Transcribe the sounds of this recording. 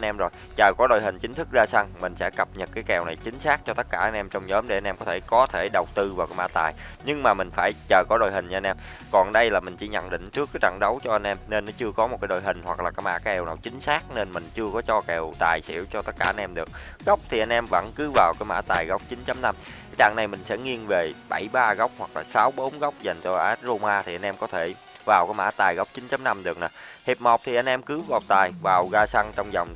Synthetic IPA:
nʔɛ˧mzo˨˩j | t͡ɕəː˨˩kɔ˨˦ɗo̰˨˩jɦï˨˩ŋ̟t͡ɕï˨˦ŋ̟t̪ʰɨ˦˥k̚zaː˧sa˧ŋmï˨˩ŋ̟sɛ̰˧˥kə˨˩p̚ɲə˨˩t̚kaː˨˦jkɛ˨˩wna˨˩jt͡ɕï˨˦ŋ̟saː˦˥k̚t͡ɕɔ˧t̪ə˦˥t̚kaː˧˩ʔa˧jnʔɛ˧mt͡ɕɔ˧wŋ͡mɲəː˨˦mɗe˧˩ʔa˧nʔɛ˧mkɔ˨˦t̪ʰe˧˩kɔ˨˦t̪ʰe˧˩ɗə˨˩wk͡pt̪ɨ˧vaː˨˩kaː˨˦ma̰ː˧˥t̪a̰ː˨˩j | ɲɨ˧ŋmaː˨˩mï˨˩ŋ̟faː˧˩jt͡ɕəː˨˩kɔ˨˦ɗo̰˨˩jɦï˨˩ŋ̟˧nʔɛ˧m | kɔ˨˩nɗə˧jlaː˨˩mï˨˩ŋ̟t͡ɕḭ˧˩˦ɲə̰˧˨nɗḭ̈˧˨ŋ̟t͡ɕɨ˦˥əkːaː˨˦jt͡ɕa̰˧˨ŋɗə˨˦wt͡ɕɔ˧ʔa˧ŋ̟ʔɛ˧mne˧nːɔ˨˦t͡ɕɨ˧əkɔ˨˦mo˨˩t̚kaː˨˦ɗo˧˨jɦï˨˩ŋ̟hwa˨˩k̚laː˨˩kaː˨˦jma̰ː˧˥kaː˨˦jʔɛ˨˩wnaː˨˩wt͡ɕï˨˦ŋ̟saː˦˥k̚ne˧nmï˨˩ŋ̟t͡ɕɨ˧əkɔ˨˦t͡ɕɔ˧kɛ˨˩wt̪aː˨˩jsḭ˧˥əwt͡ɕɔ˧t̪ə˦˥t̚kaː˧˩ʔa˧nʔɛ˧mɗɨ˨˩ək̚ | ɣa˦˥wk͡p̚t̪ʰi˨˩ʔa˧jnʔɛ˧mvə̰˧˥nkɨ˨˦vaː˨˩wkaː˨˦jma̰ː˧˥t̪aː˨˩jɣa˦˥wk͡p̚t͡ɕï˨˦nt͡ɕa˨˦mna˧m | aː˨˦jt͡ɕa̰ː˧˩ŋna˨˩jmï˨˩ŋ̟sɛ̰˧˥ŋi˧ənve˨˩ɓa˧˩jɓaː˧ɣa˦˥wk͡p̚hwa˨˩k̚laː˨˩saː˨˦wɓo˨˦nɣa˦˥wk͡p̚za˨˩jŋt͡ɕɔ˧ʔaː˨˦˥t̚zo˧maː˧t̪ʰi˨˩ʔa˧nʔɛ˧mkɔ˨˦t̪ʰe˧˩ | vaː˨˩wkaː˨˦jma̰ː˧˥t̪aː˨˩jɣa˦˥wk͡p̚t͡ɕï˨˦nt͡ɕa˨˦mna˧mɗɨ˨˩ək̚na˨˩hi˨˩p̚mɔ˨˩k͡p̚t̪ʰi˨˩ʔa˧jn̟ʔɛ˧mkɨ˨˦va˨˩wt̪aː˨˩jvaː˨˩wɣaː˧sa˧ŋt͡ɕɔ˧wŋ͡mzɔ˨˩wŋ͡m

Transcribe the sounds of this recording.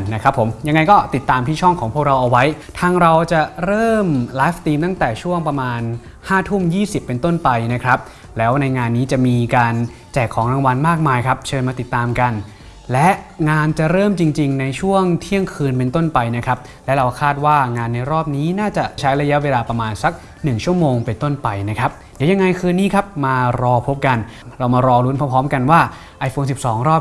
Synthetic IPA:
na˦˥kʰɾa˦˥pʰːo˩˦mja˧ŋːa˧jkɔː˥˩t̪i˨˩t̪ːaː˧mt̪ʰiː˥˩t͡ɕʰɔ˥˩ŋkʰɔː˩˦ŋpʰu˥˩k̚ɾa˧wʔa˧wa˦˥j | t̪ʰaː˧ŋɾa˧wt͡ɕa˨˩ɾɤː˥˩mlaː˦˥f̚t̪iː˧mt̪a˥˩ŋt̪ɛː˨˩t͡ɕʰu˥˩əŋpɾa˧maː˧n | haː˥˩t̪ʰu˥˩mjiː˥˩si˨˩pːe˧nt̪o˥˩npa˧jna˦˥kʰɾa˦˥p̚ | lɛː˦˥wna˧jŋaː˧nːiː˦˥t͡ɕa˨˩miː˧kaː˧nt͡ɕɛː˨˩kʰːɔː˩˦ŋɾa˧ŋwa˧nmaː˥˩k̚maː˧jkʰa˦˥p̚t͡ɕʰɤː˧nmaː˧t̪i˨˩t̪ːaː˧mka˧n | lɛ˦˥ʔŋaː˧nt͡ɕa˨˩ɾɤː˥˩mt͡ɕi˧ŋt͡ɕi˧ŋna˧jt͡ɕʰu˥˩əŋt̪ʰi˦˥˩əŋkʰɯː˧npe˧nt̪o˥˩npa˧jna˦˥kʰɾa˦˥p̚ | lɛ˦˥ɾa˧wkʰaː˥˩t̪̚waː˥˩ŋaː˧nːa˧jɾɔː˥˩p̚niː˦˥naː˥˩t͡ɕa˨˩ʔt͡ɕʰa˦˥jɾa˧ja˦˥ʔweː˧laː˧pɾa˧maː˧nsa˨˦˥k̚ | nɯ˨˩ŋt͡ɕʰu˥˩əmoː˧ŋpe˧nt̪o˥˩npa˧jna˦˥kʰɾa˦˥p̚di˨˦ja˧ŋːa˧jkʰɯː˧niː˥˩kʰa˦˥p̚maː˧ɾɔː˧pʰo˦˥p̚ka˧nɾa˧wmaː˧ɾɔː˧lu˦˥npʰɔ˦˥pʰɔː˦˥mka˧nwaː˥˩ | ʔa˧jfʰoː˧nsi˨˩p̚sɔː˩˦ŋɾɔː˥˩p̚

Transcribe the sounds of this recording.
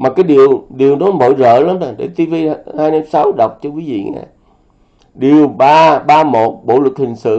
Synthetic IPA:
maː˨˩kaː˨˦jɗi˨əwɗi˨˩əwnɔ˨˦mo̰˧˨jzə̰ː˧˨la˨˦maː˨˩ɗḛ˧˩t̪i˧vi˧haː˧jma˧msa˨˦wɗa˨˩wk͡p̚t͡ɕɔ˧vi˨˦zḭ˧˨ə̰˨ŋa̰ː˨˩ | ɗi˨˩əwɓaː˧ɓaː˧mo˨˩t̚ɓo̰˧˨lɨ˨˩k̚hï˨˩ŋ̟sɨ̰˧˨

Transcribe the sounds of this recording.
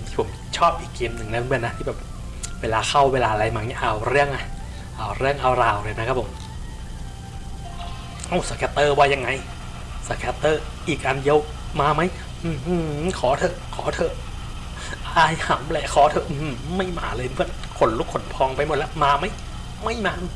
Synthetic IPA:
nt̪ʰiː˥˩pʰo˩˦m | t͡ɕʰɔː˥˩p̚ʔiː˨˩kʰːeː˧mnɯ˨˩ŋnɛ˦˥˧bɯ˧˥˩na˦t̪ʰiː˥˩bɛː˨˩p̚ | weː˧laː˧kʰa˥˩wweː˧laː˧ʔɾa˧jmaː˧˩ŋɛ˧˥ʔa˧wɾɯ˥˩əŋʔa˧˩ | ʔa˧˩wɾɯ˥˩əŋʔa˧wɾaː˧˩wɾɤ˧˩jna˦kʰa˦˥pʰo˨˧˦m | ʔa˧˩wsa˧˩kʰɛː˧t̪ɤː˥˩bɔː˧ja˧ŋːa˧j | sa˧kʰɛ˧˥t̪ːɤː˧˥˩ʔiː˨˩k̚ʔa˧nji˧w | maː˧ma˦˥j | ʔɯː˧˩h̩˧kʰɔː˩˦t̪ʰɤ˧˩kʰɔː˩˦t̪ʰɤ˧ʔ | ʔaː˧˩jha˨˩˦mlɛ˧˩kʰɔː˨˦t̪ʰɤ˧ʔɯː˧˩ma˥˩jma̰ː˧lɤː˧jɯ˧˩ə | kʰo˨˦nlu˦˥kʰːo˨˦npʰɔː˧ŋpa˧jmo˨˩t̪̚lɛ˦˥wmaː˧ma˦˥˩j | ma˥˩jmaː˧ʔɯ˧

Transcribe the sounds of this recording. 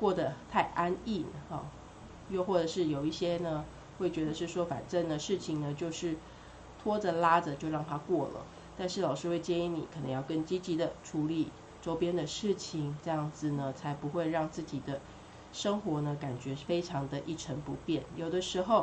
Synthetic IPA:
kwɔ˥˩d̪ə˩t̪ʰa˥˩ɪʔa˥nḭ˥˩˥ | jo˥˧xwɔ˥˩ʈ͡ʂə˨˩ʂɻ̩˥˩jo˨˩ʊi˥˩ɕjɛ˥nə˨ | xwe˥˩ɪt͡ɕɥɛ˧˥d̪ə˧ʂɻ̩˥˩ʂwɔ˥fa̰˨˩nʈ͡ʂə˥˩nd̪ə˩ʂɻ̩˥˩t͡ɕʰi˨˩ŋnə˨t͡ɕjo˥˧ʊʂɻ̩˥˩ | t̪ʰwɔ˥də˨la˥d͡zə˨t͡ɕjo˥˧ʊɻɑ˥˩ŋt̪ʰa˥kwɔ˥˩lə̰˩ | t̪a˥˧nʂɻ̩˥˩lɑ˨˩ʊʂɻ̩˥we˥˩ɪt͡ɕjɛ˥ŋi˧˥nḭ˨˩kʰnə̰˧˦ŋjɑ˥˩ʊkə˥nt͡ɕi˥t͡ɕi˧˥d̪ə˨ʈ͡ʂʰu˧˥li˨˩ | ʈ͡ʂo˥ʊpjɛ˥nd̪ə˨ʂɻ̩˥˩t͡ɕʰi˩ŋʈ͡ʂɤ˥˧jɑ˥˩ŋd͡zɹ̩˨˩nə˩t͡sʰa˧˥ɪpu˧˥xwe˥˧ɪɻɑ˥˧ŋt͡sɹ̩˥˩t͡ɕi˨˩d̪ə˦ | ʂə˥ŋxwɔ˧˥nə˧ka˨˩nt͡ɕɥɛ˧˥fe˥ɪʈ͡ʂʰɑ˧˥ŋd̪ə˧ʔi˥˩ʈ͡ʂʰə˧˥ŋpu˧˥pjɛ˥˩njo˨˩ʊd̪ə˦ʂɻ̩˧˥xo˥˩ʊ

